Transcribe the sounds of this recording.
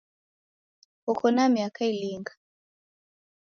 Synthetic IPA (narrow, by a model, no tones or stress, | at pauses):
hukʰɔnamiakailiŋɡḁ